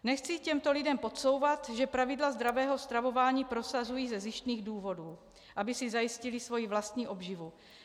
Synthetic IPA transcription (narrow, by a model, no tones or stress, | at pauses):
nɛxt͡sicɛmt̪o̞lɪdɛmpo̞t̪so̞wvat̪ʒɛpɾavɪdlazd̪ɾavɛːɦo̞st̪ɾavo̞vaːɲiːpɾo̞sazujiːzɛzɪʃt̪niːɣduːvo̞duː | ʔabɪsizajɪscɪlɪsvo̞jivlast̪ɲiːʔo̞bʒivu